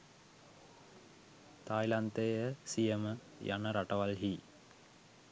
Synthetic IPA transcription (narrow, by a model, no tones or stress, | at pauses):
t̪aːjlant̪eːəsijəmə | ja̰nəɾaʈɐʋalɦiː